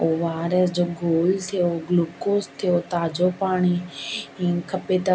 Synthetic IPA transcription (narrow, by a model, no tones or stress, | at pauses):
oːʋaːɾəsd͡ʑoːɡʱoːlt̪ʰijoɡluːkoːst̪ʰijoːt̪aːd͡ʑopaːɽ̃iĩːkʰɐpeːt̪a